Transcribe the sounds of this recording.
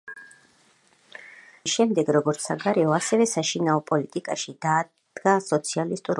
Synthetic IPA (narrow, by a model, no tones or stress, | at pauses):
ʃɛmd̪ɛɡɾɔɡɔɾt̪ssaɡaɾɛɔasɛvɛsaʃinaɔpʼɔlit̪ʼikʼaʃid̪aː | d̪̥ɡasɔt̪sʰialist̪ʼuɾ